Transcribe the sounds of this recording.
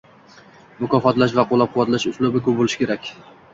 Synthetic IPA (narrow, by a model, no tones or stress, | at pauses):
mʊkʰɒfɒt̪laʃ̬vaqʰolːˠap̚qʰʊwat̪laʃʊslˠʊbɪkʲʰɵp̚bolɪʃɪ̥kʰʲe̞ɾakʲ